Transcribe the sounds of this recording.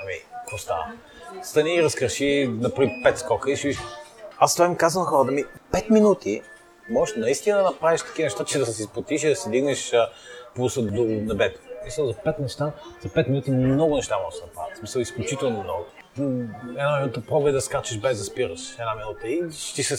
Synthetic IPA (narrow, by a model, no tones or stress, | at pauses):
ɐmikɾost̪a̰ | st̪ɐniːɾɐskɾəʃinɐpɾipɛt̪skɔkəiʃiviʃast̪vaimikazənɐxɔɾət̪ːmipɛt̪minut̪ʰi | mɔʒɛʃnɐist̪inəd̪ɐnɐpɾaviʃt̪ɐ̥k̟inɛʃt̪at͡ʃɛd̪ɐsɛsispot̪iʃid̪ɐsɛd̪iɡnɛʃəplusəd̪onɐbɛt̪o̥smisəlˠzɐpɛt̪nɛʃt̪azɐpɛt̪mʲinut̪imnɔɡʊnɛʃt̪amɔʒɛʃd̪nɐpɾa̰vɐt̪smisəlˠisklʲut͡ʃit̪ɛlˠnomnɔɡʊ | ɛd̪aminut̪əpɾɔbəɛd̪ɐskat͡ʃɛʃbɛzd̪ɐspiɾəʃɛd̪aminut̪əiʃt̪isɛ